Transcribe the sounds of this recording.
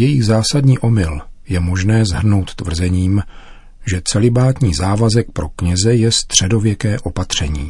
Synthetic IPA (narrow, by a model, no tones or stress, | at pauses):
jɛjiɣzaːsadɲiːʔo̞mɪljɛmo̞ʒnɛːzɦr̩no̞wt̪t̪ːvr̩zɛɲiːm | ʒɛt͡sɛlɪbaːt̪ɲiːzaːvazɛk̚pɾo̞kɲɛzɛjɛst̪r̝̥ɛdo̞vjɛkɛːʔo̞pat̪r̝̥ɛɲiː